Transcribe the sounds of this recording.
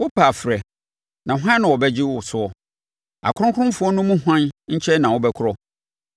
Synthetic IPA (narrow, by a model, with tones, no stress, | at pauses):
wʊ˦pʰa˨fɾɛ˨ | nã˨ɦã˦nʊ̃˨wɔ˨bɛ˦d͡ʑɪ˦wʊ˨sʊ˨ɔ˨ | a̰˨kʰʊ̃˦ʊ̃˦kʰʊ˦ɾʊ̃˦m˦fʊ˨˦ɔ˦nʊ̃˦mũ˦ɦã˦nɲ̩˦t͡ɕʰɛ˦nã˨wʊ˦bɛ˦kʰʊ˦ɾɔ˦